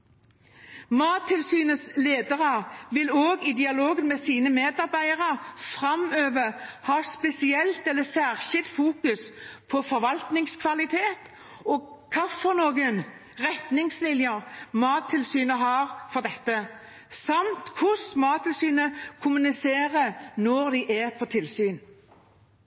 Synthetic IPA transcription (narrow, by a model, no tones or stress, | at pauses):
mɑːt̪ʰːɪlsyːnəsleːd̪əʁəʋɪloːɡɪd̪ɪɑloːɡənmɛsiːnəmeːd̪ɑʁbæɪəʁəʁfʁɑmøːʋəhɑːspɛsɪɛlt̪ɛlːəsæʁɕɪlt̪fuːkʉspʰɔfɔɾʋɑlt̪nɪŋskʰʋɑlɪt̪ʰeːt̪ | ɔɡkʰɑfɔnoːɡən | ʁɛt̪nɪŋslɪnjəɾmɑːt̪ʰːɪlsyːnəɦɑːʁfɔʁd̪ɛt̪ːə | sɑmt̪kʰʊsmɑːt̪ʰːɪlsyːnəkʰʊmʉnɪseːʁənɔɾd̪ɪʔɛpʰɔt̪ʰɪlsyːn